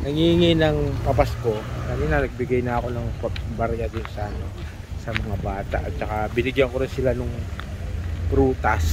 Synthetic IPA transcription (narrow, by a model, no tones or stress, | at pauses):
nɐŋiŋɪnɐŋpɐpɐsko̞kɐmɪnɐnɐɡ̚bɪɡajnɐɐko̞nɐŋpɐbaɾjad̪ɪnsɐʔɐno | sɐmɐŋabaːt̪a̰ʔɐt̪̚t͡ʃɐkabɪnɪɡjɐŋko̞ɾɪnsɪlanʊŋ | pɾuːt̪ɐs